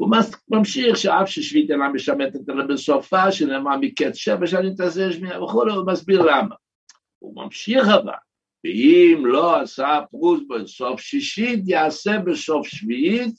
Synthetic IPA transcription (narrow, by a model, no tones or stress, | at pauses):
umamamʃiχʃəafʃəʃvit̪enaməʃamɛt̪ɛt̪alɛbəsofaʃɛnɛːmamikɛt̪ʃɛvaʃ̬anit̪azɛʃ̬miavəχulɛumasbiʁlama̰ | ṵma̰mʃiχava̰l | vəimloasapʁusbesofʃiʃit̬jaːsɛbəsofʃviit̪̚